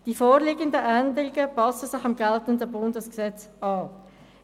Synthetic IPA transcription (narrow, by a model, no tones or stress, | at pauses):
d̥ifoːɾʁliːɡəndəʔændəʁɪɡəpɑsəsɪχɑmɡɛltəndəbʊndəsksɛt͡sɑː